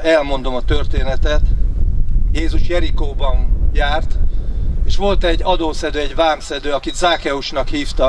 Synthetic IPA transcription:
ɛlmo̞n̪d̪o̞mɒt̪ørt̪eːnɛt̪ɛt̪ | jeːzuʃjɛɾikoːbɒnjaːrt̪eːʃʋo̞lt̪ɛɟːɒd̪oːsɛd̪øːɛɟvaːmsɛd̪øːɒkit̪zaːkɛuʃnɒkhiːft̪ɒ

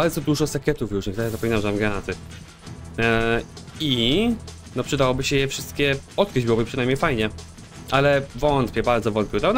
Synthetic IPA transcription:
baɾd̪zɔd̪uʐɔsakʲɛt̪ufjuʂɲɛkt̪ajzap̬ɔmʲinawʐɛt̪amɡɾanat̪ɘ | i | nɔpʂɨd̪awɔbɘɕɛjɛfʂɘst̪kʲɛɔt̪̚kɾɘd͡ʑbɘwɔbɘpʂɨnajmɲejfajɲɛ | ʔalɛvɔnt̪pʲɛbaɾd̪zɔvɔnt̪̚pʲɛwt̪an

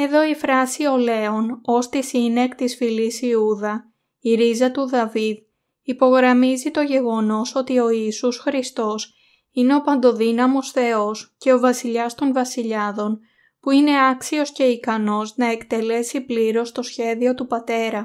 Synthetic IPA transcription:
e̞ðo̞ifɾɐsio̞le̞o̞no̞st̪isine̞kt̪isfilisiuðɐ | iɾizɐt̪uðɐvið | ipo̞ɣɾɐmizit̪o̞ʝe̞ɣo̞no̞so̞t̪io̞iːsusxɾist̪o̞s | ine̞o̞pɐnd̪o̞ðinɐmo̞sθe̞o̞sce̞o̞vɐsiʎɐst̪o̞nvɐsiʎɐðo̞n | puine̞ɐksio̞sce̞ikɐno̞znɐe̞kt̪e̞le̞sipliɾo̞st̪o̞sçe̞ðio̞t̪upɐt̪e̞ɾɐ

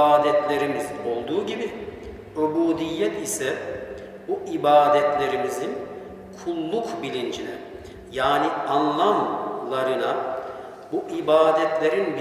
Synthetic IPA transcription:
aːd̪ɛt̪lʲe̞ɾimizio̞lˠd̪uːɟibi | øbuːd̪ijːɛt̪ʰisɛ | buʔibaːd̪ɛt̪lʲe̞ɾimizin | kʰulˠːukbilʲind͡ʒinʲɛ | jaːnianlˠamlˠaɾɯna | buʔibaːd̪ɛt̪lʲe̞ɾinb

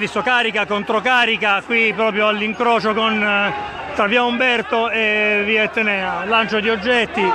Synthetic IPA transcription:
visokaːɾikakont̪ɾokaːɾikakwipɾɔːpɾjoalːiŋkɾɔːt͡ʃokon | t̪ɾaviːaumbɛrt̪oeviet̪ːenɛːalant͡ʃod̪iod͡ʒːɛt̪ːi

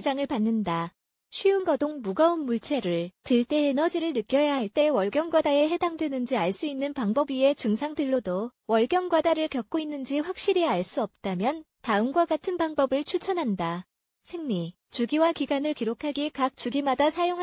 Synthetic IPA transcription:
d͡ʑaŋɯɭpanːɯnda | ɕʰɥiunɡʌdoŋmuɡaunmuɭt͡ɕʰe̞ɾɯɭtɯɭt͈e̞ːnʌd͡ʑiɾɯɭnɯk͈jʌjaɦaɭt͈e̞wʌɭɡjʌŋɡwadae̞ɦe̞daŋdwe̞nɯnd͡ʑiaɭs͈uinːɯnpaŋbʌbie̞t͡ɕɯŋsʰaŋdɯɭːodowʌɭɡjʌŋɡwadaɾɯɭkjʌk̚k͈oinːɯnd͡ʑiɸwak̚ɕ͈iɾiaɭs͈uʌp̚t͈amjʌn | taɯmɡwaɡatʰɯnpaŋbʌbɯɭt͡ɕʰut͡ɕʰʌnɦanda | sʰe̞ŋɲi | t͡ɕuɡiwakiɡanɯɭkiɾokʰaɡikak̚t͡ɕuɡimadasʰajoŋ

